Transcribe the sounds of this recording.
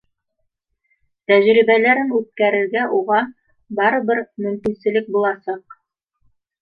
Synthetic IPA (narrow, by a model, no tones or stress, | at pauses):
t̪æʑɾiβælæɾɘnʉt̪̚kæɾɘ̆ɾɡæʔuʁɑ | bɑɾɤ̆βɘɾmɵ̆mkinsɘ̆lɘk̚bulˠɑsɑq